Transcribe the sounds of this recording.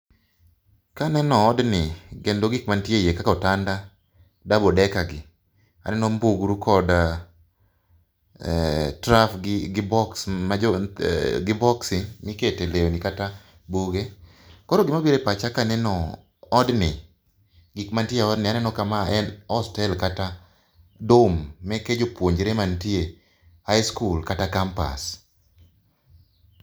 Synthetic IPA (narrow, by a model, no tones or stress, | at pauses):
kanɛnɔːdnɪɡendoɡɪkmantjejekakɔtanda | dabɔdɛkaɡɪ | a̰nɛnɔmbuɡɾukʰɔda | tɾafɡɪɡɪbɔksmaɔɡɪbɔksɪmɪketeleonikata | buɡe | kɔɾoɡɪmabiɾepat͡ʃakanɛnɔː | dnɪ | ɡɪkmantjeɔdnɪanɛnɔkamaɛnɔstɛlkata | domːɛked͡ʒopwoɲd͡ʒɾemantje | hajskulkatakampa̰s